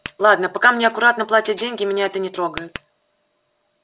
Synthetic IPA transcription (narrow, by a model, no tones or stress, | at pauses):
lˠad̪nəpɐkamnʲeɐkʊɾat̪nəplˠatʲɪt̪̚dʲenʲɡʲɪmʲɪnʲaɛt̪ənʲɪt̪ɾo̞ɡəjʊt̪